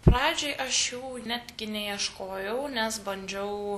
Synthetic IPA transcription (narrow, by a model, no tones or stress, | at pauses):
pɾɑːd͡ʒʲoɪʔɐʃjɛʊnʲæːt̪ʲɡʲɪnʲɛiɛʃkoːjɛʊnʲɛsbɐnʲd͡ʒʲɛʊ